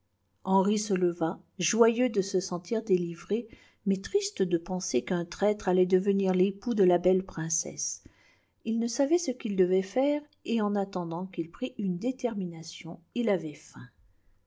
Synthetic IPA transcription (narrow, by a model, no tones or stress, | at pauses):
ɑ̃ʁisələva | ʒwajød̪əsəsɑ̃t̪ʰiʁd̪elivʁe | mɛt̪χist̪d̪əpɑ̃sekɛ̃t̪χɛt̪χalɛd̪əvəniʁlepud̪əlabɛlpχɛ̃sɛ̰s | ilnəsavɛsəkild̪əvɛfɛʁ | eɑ̃nat̪ɑ̃d̪ɑ̃kilpχiʔynd̪et̪ɛʁminasjɔ̃ilavɛfɛ̃